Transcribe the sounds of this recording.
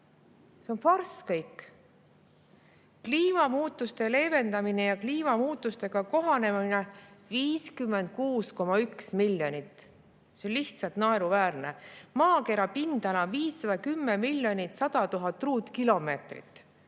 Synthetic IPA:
se̞o̞nfɑrskɤjkːˑ | kliːmɑmuːt̪ːˑust̪e̞le̞ːve̞nd̪̥ɑminejɑkliːmɑmuːt̪ːˑust̪e̞ɡ̥ɑko̞ɦɑne̞mmineviːskymːe̞nd̪̥̚kuːsko̞mɑyksmilːjonʲit̪ːˑ | seonʲliht̪sɑlt̪nɑeɾuvæːrne̞mɑːke̞ɾɑpind̪̥ɑnɑviːsːɑd̪̥ɑkymːemilʲːjo̞nʲit̪sɑd̪ɑt̪uɦɑt̪ːˑruːt̪ˑkilo̞me̞ːt̪rḭt̪ːˑ

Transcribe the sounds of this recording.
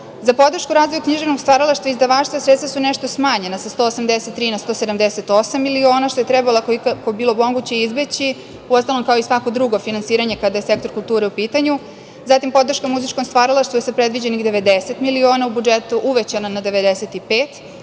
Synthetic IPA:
zapo̞d̪r̩ʃkuɾaːzʋo̞jukɲiʒevno̞ɡst̪vaɾalˠaʃt̪ʋaizd̪aʋaːt͡ʃt̪vasɾet̪t̪asuneʃt̪o̞smaːɲe̞nasast̪oːosamd̪eset̪ːɾiːnast̪o̞ːsed̪amd̪ese̞t̪o̞samːilio̞ːnaʃt̪o̞jet̪ɾɛbalakkobiːlˠo̞mo̞ɡut͡ɕeizbet͡ɕi | uost̪alo̞mkao̞isʋako̞d̪ɾuɡo̞finansiːɾaɲe̞kad̪ajese̞kt̪o̞ɾkulˠt̪uːɾeupiːt̪aɲu | zat̪impo̞d̪r̩ʃkamuzit͡ʃkomst̪ʋaɾalˠaʃt̪ʋujesapɾed̪ʋid͡ʑenixd̪e̞ʋe̞d̪eset̪milio̞ːnaubud͡ʒet̪uʔuʋet͡ɕananad̪e̞ʋe̞d̪eset̪ipeːt̪

